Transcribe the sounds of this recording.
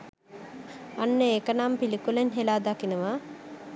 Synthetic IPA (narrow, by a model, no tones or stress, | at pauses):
anːəekənampilikulenɦelaːd̪akinəʋa